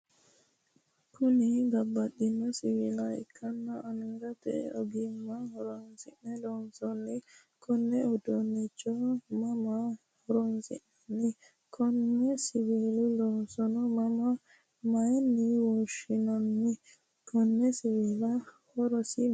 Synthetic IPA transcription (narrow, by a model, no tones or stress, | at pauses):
kʰʊnɪɡɐbːɐɗɪnːɔsɪwɪlɐɛ̰kʰːɐnːɐːnɪŋɡɐt̪ɛ̰ɔɡɪmːɐhɔɾɔnsɪʔɛlɔːnsɔnːɪ | kʰɔnːɛɔd̪ɔnːɪt͡ʃʼːɔmɐmɐ | hɔɾɔnsɪ̰ʔɛnːɪ | kʰɔnːɛsɪweːlɪlɔːnsɔnɔmɐmɐ | mɐjɛnːɪwɔʃɪnɐnːɪ | kʰɔnːɛsɪweːlɐ | hɔɾɔsɪ